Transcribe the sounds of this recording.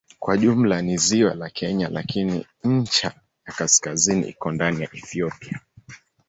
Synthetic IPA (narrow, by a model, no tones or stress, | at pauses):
kwaʄum̩laniziwalakʰɛɲalakʰinḭ | ɲ̩t͡ʃa | jakaskazinḭʔḭkɔndanijaʔɛθiɔpia